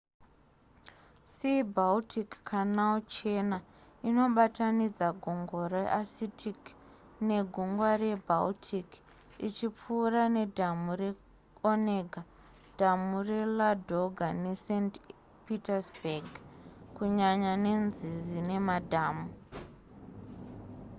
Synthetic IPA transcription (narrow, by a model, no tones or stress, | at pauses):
sibaltʰikkʰanaut͡ʃe̞naino̞ɓatanid͡zaɡʱoŋɡoɾa̰ʔasitʰik | ne̞ɡʱuŋɡware̞bʱaltʰik | it͡ʃip͡fuːrane̞dʱamure̞ | oneɡʱa | d̥ʱamure̞ladʱo̞ɡʱanesent | pitasbaɡkuɲaɲanenzizine̞madʱaːmu